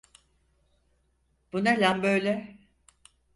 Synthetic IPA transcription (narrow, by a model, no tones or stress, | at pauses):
b̥unalʲambøjlʲɛ